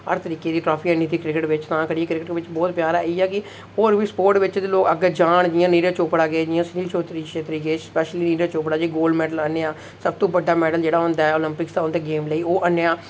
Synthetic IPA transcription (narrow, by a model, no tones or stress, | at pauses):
əɾt̪əɾiːkeːd̪iːʈɾɔːpʰiːənːiːd̪iːkɾɪkɪʈʋɪt͡ʃt̪ãːkəɽieːkɾɪkɪʈʋɪt͡ʃbɔːt̪pjaːɾaːiːɛːkɪ | oːɾʋiːspoːɾʈʋɪt͡ʃd̪loːkəɡd͡ʒaːɳd͡ʒɪãːniːɾẽːt͡ʃoːpɽaːɡəeːd͡ʒɪjãːsniːlt͡ʃoːt̪ɾiʃeːt̪ɾiːɡeeːspɛːʃliːniːɾeːt͡ʃoːpɽaːd͡ʒiːɡoːlɖmɛːɖələnːeːãː | səb̚t̪õːbəɖːaːmɛːɖəld͡ʒeːɽaːɦʊ̃nd̪aːɛoːlɪmpɪkst̪aːõnd̪eːɡeːmləiːoːʔənːeːaː